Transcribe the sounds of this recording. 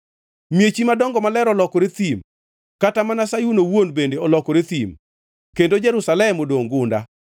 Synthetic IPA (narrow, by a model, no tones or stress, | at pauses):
mjet͡ʃimadɔŋɡɔmalɛɾɔlɔkɔɾɪt̪im | katamanasajunowonbendeɔlɔkɔɾɪt̪im | kendod͡ʒɛɾusalɛmodoŋɡʊnda̰